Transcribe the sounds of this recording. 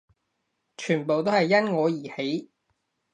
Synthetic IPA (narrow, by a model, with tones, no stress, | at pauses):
t͡ʃʰyː˨˩npo˨wt̪o˥whɐ˨jːɐ˥nŋɔː˨˧jiː˨˩he˨˥j